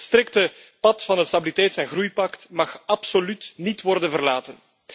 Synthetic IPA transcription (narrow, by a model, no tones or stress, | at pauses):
st̪ɾɪk̚tə | pɑtfɑnɦətstabilitɛjtsɛnɣrujpɑktmɑxɑpsolytnitʋɔrdənvərlaːtən